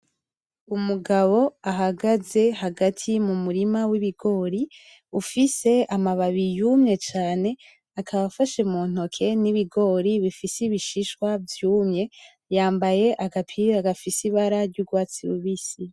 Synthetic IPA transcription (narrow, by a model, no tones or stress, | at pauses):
umuɡaβo̞aɦaɡaze̞haɡatʰimumuɾimawiβiɡo̞ːɾi | ufise̞amaβaβijumɲe̞t͡ʃaːne̞ | akʰaβafaʃemuːn̥o̞kʰe̞niβiɡo̞ɾiβifisiβiʃiʃkwavjuːmɲe̞ | jaːmbaje̞ʔaɡapʰiaɡafisiβaɾaɾɟuɡwaːt͡siɾuβisi